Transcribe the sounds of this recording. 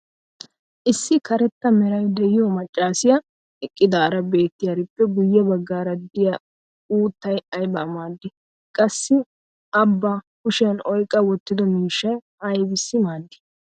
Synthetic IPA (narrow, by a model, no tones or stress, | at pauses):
ʔɪsːɪkɐɾɛt̪ːɐmɛɾɐjd̪ɛjɪjɔmɐt͡ʃʼːaːsɪjɐ | ɛkʼːɪd̪aːɾɐbe̞ːt̪ːɪjɐɾɪpːɛɡʊjːɛbɐɡːaːɾɐd̪ɪjɐ | uːt̪ːɐjɐjbɐːmaːd̪ːɪ | kʼɐsːɪ | ɐbːa | kʊʃɛnɔjkʼɐwɔt̪ːɪd̪ɔmiːʃːɐj | ɐjbɪsːɪmaːd̪ːɪ̥